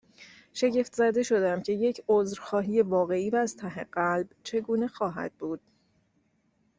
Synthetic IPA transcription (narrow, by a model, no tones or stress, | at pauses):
ʃe̞ɟe̞ft̪ʰzæd̪e̞ʃo̞d̪æmcʰe̞je̞cʰozɾxɒːɦiːje̞vɒːɣe̞iːvæːz̥t̪ʰæɦeɢælbt͡ʃʰe̞ɡuːne̞xɒːɦæ̰d̪̥̚buːd̪̥